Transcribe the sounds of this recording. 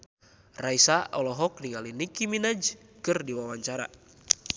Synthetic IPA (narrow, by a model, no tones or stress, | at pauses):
raisaʔɔlɔɦɔk̚niŋalinikiminad͡ʒkɨrdiwawaɲt͡ʃaɾa̰